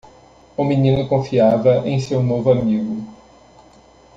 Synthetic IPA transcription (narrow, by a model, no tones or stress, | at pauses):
ʊmĩnĩnʊkõfiavɐʔẽj̃sewnovʊamiɡʊ